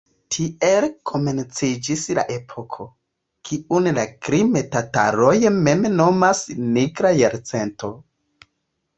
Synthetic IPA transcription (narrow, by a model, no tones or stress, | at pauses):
tʰielkʰo̞me̞nt͡sid͡ʒisla̰ʔe̞pʰo̞kʰo̞ | kʰiunlakɾimetata̰ɾojme̞mno̞masniɡɾajaɾt͡se̞nto̞